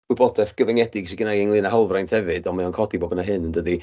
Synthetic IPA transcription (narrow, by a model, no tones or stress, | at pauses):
wɨbɔdɛθɡ̥əvɛŋɛdɪɡsiɡənaɪŋlɨːnaɦalˠvrajntʰhɛvɨdɔmaɔnkʰɔdiboːbənaɦɨnəndədi